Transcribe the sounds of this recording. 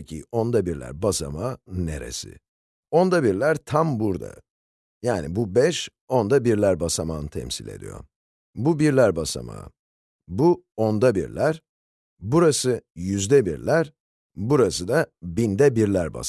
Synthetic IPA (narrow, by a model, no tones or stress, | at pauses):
cʰio̞nd̪abiɾlʲæ̰ɾbasamane̞ɾḛsɪ̰ | o̞nd̪abiɾlʲæɾt̪ʰambuɾd̪a̰ | jaːnibubɛʃ | o̞nd̪abiɾlʲæɾbasamaːnɯt̪ʰɛ̰msilʲe̞̰d̪ḭjo̞̰ɾ | bubiɾlʲæɾbasa̰ma̰ | buo̞nd̪abiɾlʲæɾ̥ | buɾasɯjyzd̪ɛbiɾlʲæɾ | buɾasɯd̪abind̪ɛbiɾlʲæɾba̰s